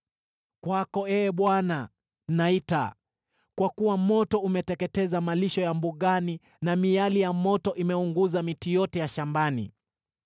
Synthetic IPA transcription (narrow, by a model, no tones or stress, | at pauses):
kwakɔɛːɓwana | naita̰ | kwakuwamɔtɔumɛtɛkɛtɛzamaliʃɔjambuɠani | namijalijamɔtɔʔimɛuŋɡuzamitijɔtɛjaʃambanḭ